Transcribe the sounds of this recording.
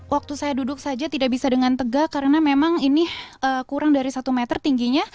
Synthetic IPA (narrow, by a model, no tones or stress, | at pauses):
wʔak̚t̪usajadudʊk̚sad͡ʒat̪idabisadəŋant̪əɡakaɾənamemaŋiniəːkuɾaŋdaɾisat̪umet̪ərt̪iŋɡiɲa